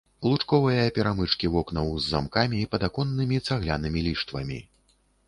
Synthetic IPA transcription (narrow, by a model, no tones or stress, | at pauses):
lˠut͡ʂkɔvɨjɐpʲɛɾamɨt͡ʂkʲivɔknɐwzːa̰mkamʲiːpɐd̪akɔnːɨmʲit̪saɣlʲanɨmʲilʲiʂt̪vɐ̰mʲḭ